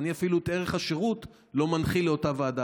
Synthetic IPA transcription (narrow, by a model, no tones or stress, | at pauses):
niafiluet̪e̞ʁeχaʃeʁut | lo̞manχileotavaːda